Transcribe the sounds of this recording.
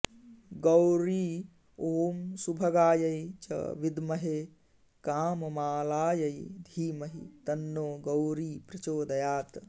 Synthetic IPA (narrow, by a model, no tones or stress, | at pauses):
ɡɐwɾiː | oːmsubʱɐɡaːjɐjt͡ʃɐ̰ʋid̪mɐɦe | kaːmmaːlaːjɐjd̪ʱiːmɐɦit̪ɐnːoːɡɐwɾiːpɾɐt͡ʃoːd̪ɐjaːt̪